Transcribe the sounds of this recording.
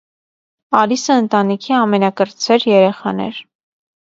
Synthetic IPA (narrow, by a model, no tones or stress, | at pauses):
ɑlisəənt̪ɑnikʰiɑmɛnɑkəɾt͡sʰɛɾjɛɾɛχɑ̰nɛ̰ɾ